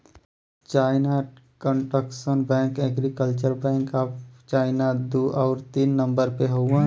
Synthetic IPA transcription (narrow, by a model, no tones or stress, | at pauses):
t͡ʃaːɪnakəɳʈəksənbɛ̃ːŋkɛɡɾikəlt͡ʃəɾbɛ̃ːŋkaːpt͡ʃaːɪnad̪oʔaːɾt̪iːnːə̃mbəɾpeɦõ